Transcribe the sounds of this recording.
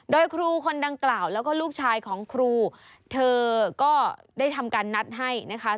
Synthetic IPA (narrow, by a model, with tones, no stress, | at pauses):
doː˧jkʰɾuː˧kʰo˧nda˧ŋklaː˨˩wlɛː˦˥wkɔː˥˩luː˥˩k̚t͡ɕʰaː˧jkʰɔː˩˦ŋkʰɾuː˧ | t̪ʰɤː˧kɔː˥˩daː˥˩jt̪ʰa˧mkaː˧nːa˦˥t̪̚ɦa˥˩jna˦˥kʰa˦˥